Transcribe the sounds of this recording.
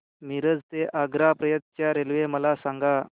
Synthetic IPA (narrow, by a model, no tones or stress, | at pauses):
miɾəd͡zt̪eʔaɡɾapɾəjət̪t͡ɕjaɾelʋeməlasaŋɡa